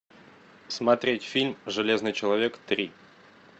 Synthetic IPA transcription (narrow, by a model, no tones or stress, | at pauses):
smɐt̪ɾʲetʲfʲilʲmʐɨlʲe̞znɨjt͡ɕɪlˠɐvʲekt̪ɾʲi